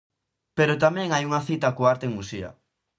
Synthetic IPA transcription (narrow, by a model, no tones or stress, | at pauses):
peɾot̪amɛ̃ŋajuŋaθit̪akoaɾt̪eŋmusia̰